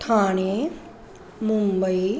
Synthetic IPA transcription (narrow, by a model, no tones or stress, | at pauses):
t̪ʰaːne | mumbəi